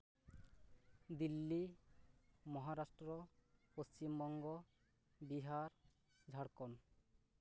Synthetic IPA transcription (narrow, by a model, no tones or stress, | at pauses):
d̪ilːi | mɔɦaɾasʈɾɔpost͡ɕimbɔŋɡɔ | biɦaɾ | d͡ʒʱaɽkɔn